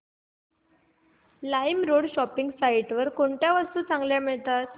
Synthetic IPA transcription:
lajmɾoɽɕɔpiŋɡsaiʈʋəɾkoɳʈjaʋəɾst̪uːt͡sãŋɡljamiɭt̪at̪

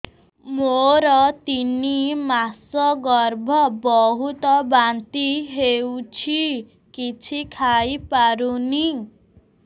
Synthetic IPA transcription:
moɾɔt̪inimasɔɡɔɾbʱɔbɔɦut̪ɔbant̪iɦewt͡ʃʰi | kit͡ʃʰikʰajpaɾuni

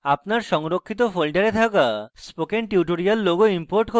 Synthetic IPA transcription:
apnaɾʃɔŋɾokʰːit̪ofolʈaɾet̪ʰakaspokenʈiwʈoɾialːoɡoimpoɾʈko

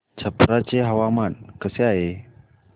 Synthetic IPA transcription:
t͡ʃapɾat͡ʃeɦawamankəsiae

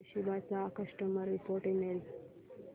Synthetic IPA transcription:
ɕibat͡sakəʂʈəməɾːipoɾʈemel

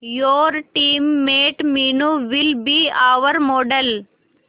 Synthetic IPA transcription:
joːɾʈiːmːeːʈmiːnuʋɪlbiːaʋəɾmoːɖəl

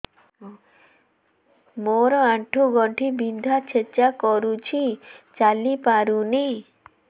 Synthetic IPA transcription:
moɾɔaʈʰuɡɔɳʈʰibid̪ʱat͡ʃʰet͡ʃakɔɾut͡ʃʰit͡ʃalipaɾuni

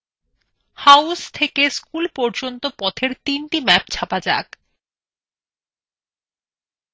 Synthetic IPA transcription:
hawst̪ʰekeskulpɔɾd͡ʑont̪opɔt̪ʰeɾt̪inʈimɛpt͡ɕʰapad͡ʑa̰k

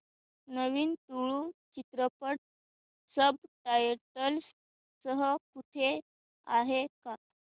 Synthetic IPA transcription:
nəʋiːnt̪uɭut͡ɕit̪ɾəpəʈ̚ | səb̚ʈajəɾʈəls | səɦəkut̪ʰe | aɦeka

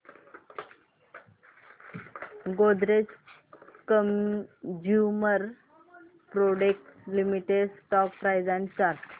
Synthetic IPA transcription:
ɡod̪ɾet͡s | kəmd͡ʑjuməɾ | pɾoɖek̚ʈlimiʈeɖsʈɔkpɾajd͡zant͡ɕaɾ

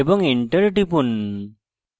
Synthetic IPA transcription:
ebɔŋiɳʈəɾʈipun

